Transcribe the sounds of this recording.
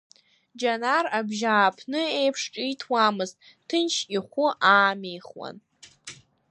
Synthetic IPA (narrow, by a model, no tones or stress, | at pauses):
d͡ʒanarabʒaːpʰnɨejpʰʂʈ͡ʂʼitʰwamɨztʼ | tʰɨnt͡ʃʰiχʷʊʔaːmijχwa̰n